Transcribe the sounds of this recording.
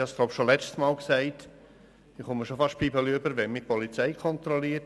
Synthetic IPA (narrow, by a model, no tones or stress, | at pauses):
hɑsɡ̥loʊpʃolɛt͡ʃtsmɑːlksɛɪt | ɪχʊmːəʃofɑʃt̚pʰibəliʏbəɾʋɛnmɪpɔlit͡sɛɪkʰɔnt̪ɾɔliət